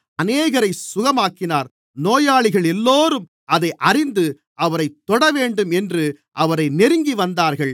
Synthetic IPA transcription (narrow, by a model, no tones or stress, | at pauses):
ɐneːɣɐɾɐɪsʊɣɐmaːkːɪnaːɾ | noːjaːɭɪɣɐɭɛlːoːɾɯm | ʔɐðɐɪʔɐrɪnd̪ɯ | ʔɐʋɐɾɐɪt̪ːɔɽɐʋeːɳɖɯmɛndrɯ | ʔɐʋɐɾɐɪnɛɾɯŋɡiʋɐnd̪aːɾɣɐɭ